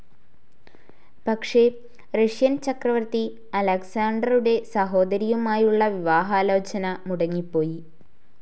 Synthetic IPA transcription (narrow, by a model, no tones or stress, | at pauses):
pɐkʂe̞ | reʂjɐnt͡ɕɐkrɐʋɐrt̪i | ɐlɐksaːɳɖɐruɽe̞sɐɦo̞ːd̪ɐɾijɐmaːjuɭːɐʋiʋaːɦaːlo̞ːt͡ɕɐnɐmuɽɐŋːipːo̞ːji